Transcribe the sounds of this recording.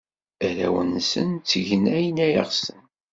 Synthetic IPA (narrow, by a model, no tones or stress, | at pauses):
æɾæ̰wənsə̰nt͡sːəʝənæjnæjə̰ʁsən